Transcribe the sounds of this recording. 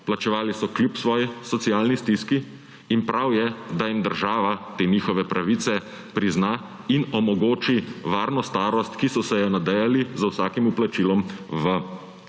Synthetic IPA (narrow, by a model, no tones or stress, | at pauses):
plat͡ʃɛʋaːlisɔklʲjupsʋɔːjisɔt̪siaːlnist̪iskiː | npɾawjɛd̪ajimd̪əɾʒaːʋat̪eːnixɔʋɛpɾʔaʋiːt̪sɛ | pɾiznaː | inɔmɔɡoːt͡ʃiʋaːɾnɔst̪aːɾɔst̪kisɔsɛjɛnad̪ajalizawsaːkimuplat͡ʃilɔmʋə